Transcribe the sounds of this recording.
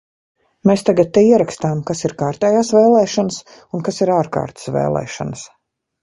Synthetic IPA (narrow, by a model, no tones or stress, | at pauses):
meːst̪aɡat̪̚t̪ːeiɛɾakst̪aːmkasiɾkaːɾt̪ɛːjaːsveːlˠɛːʃɔnəs | unkasiɾaːɾka̰ːɾt̪ə̥svḛːlˠɛ̰ːʃɔ̰nəs